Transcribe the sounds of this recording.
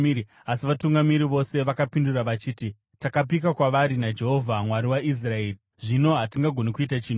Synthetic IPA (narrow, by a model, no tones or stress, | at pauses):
asiʋatuŋɡamiɾiʋo̞se̞ʋakapinduraʋat͡ʃiːti | takap̬ikakwaʋaɾinad͡ʒe̞ɦo̞vʱamwaɾiwaʔis̬rae̞ːri | ʐino̞ɦatiŋɡaɡʱo̞nikuitat͡ʃiːno